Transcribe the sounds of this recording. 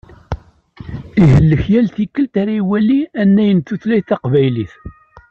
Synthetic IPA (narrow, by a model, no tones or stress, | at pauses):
ihəlːəçjælθikːəlt̪aɾaiwæliænːæjənθuθlæjθɑqvæjliθ